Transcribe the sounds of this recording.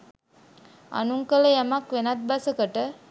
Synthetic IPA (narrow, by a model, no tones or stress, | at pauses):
a̰nuŋkələjamakʋenat̪̚basəkəʈə